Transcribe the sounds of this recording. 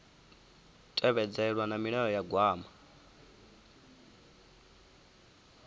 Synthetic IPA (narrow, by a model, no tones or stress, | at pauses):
tʼɛβɛd͡zɛɺwanamiɺɛɾɔjaɡwaːma